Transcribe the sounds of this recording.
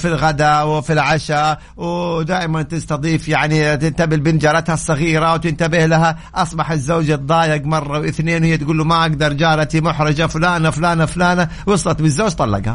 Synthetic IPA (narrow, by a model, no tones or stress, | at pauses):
filɣad̪awfilʕaʃa | wd̪aːʔɪmant̪ɪst̪ɑðˤiːfjaʕnit̪ɪnt̪abɪlbɪnd͡ʒɑːɾˤɑt̪hasˤːɑɣiːɾawt̪ɪnt̪abɪhlaɦa | ʔɑsˤbɑħɪzːoːd͡ʒad̪ˤɑːjɪɡmɑrˤːɑwʔɪθneːnwhɪjːat̪ɡuːlumaʔaɡd̪ɑɾˤd͡ʒaːɾat̪imʊħɾɪd͡ʒafʊlaːnafʊlaːnafʊlaːna | wʊsˤlɑt̪bɪzːoːd͡ʒt̪ˤɑlːɑ̰ɡha̰